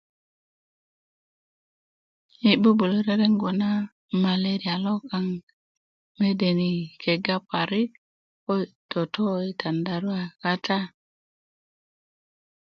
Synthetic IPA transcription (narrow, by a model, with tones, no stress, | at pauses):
i˨bu˦bu˨lo˦ɾe˦ɾe˦ŋɡo˨na˦ | ma˨le˦ɾi˨a˨lo˦ka˨ŋ | me˦de˨ni˨ke˨ɡa˦pa˨ɾi˦ | ko˦˨to˨to˦i˨ta˨nda˨ɾu˦a˨ka˦tʰa˦